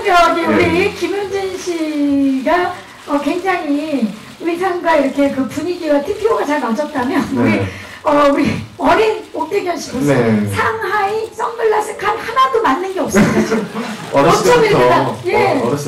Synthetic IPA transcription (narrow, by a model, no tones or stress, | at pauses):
ʌɡeuɾikimjond͡ʑinɕʰiɡa | ʌkwe̞ŋd͡ʑaŋi | uɾisʰaŋɡwaiɾʌkʰe̞kɯpuɲiɡiɡatʰipʰioɡat͡ɕaɭnad͡ʑʌt̚t͈amjʌnuɾi | ʌuɾiʌɾinok͈eɡjʌnɕʰiɡosʌsʰaŋɦais͈ʰʌŋbɯɭːas͈ʰɯkʰanhanadomanːɯnɡe̞ʌp̚sʌd͡ʑ | ʌt͡ɕʌmiɯdaje̞